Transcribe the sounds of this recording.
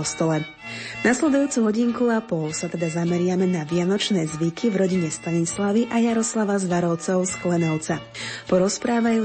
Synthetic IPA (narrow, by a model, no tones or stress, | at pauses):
ɔst̪ɔlɛ | naslɛd̪ujuːt͡suɦɔɟiŋkuapɔlsat̪ɛd̪azamɛɾɪamɛnaʋɪanɔt͡ʃnɛːzʋikivɾɔɟiɲɛst̪aɲislaʋiʔajaɾɔslaʋazʋaɾɔʊt͡sɔʊsklɛnɔʊt͡sa | pɔɾɔspɾaːʋajuː